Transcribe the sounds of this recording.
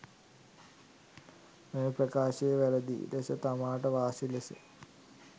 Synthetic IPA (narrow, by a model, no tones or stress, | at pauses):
menuprɐkaːɕɐjɐʋɐlɐd̪ḭlesɐt̪ɐmaːʈɐʋaːsilesɐ̰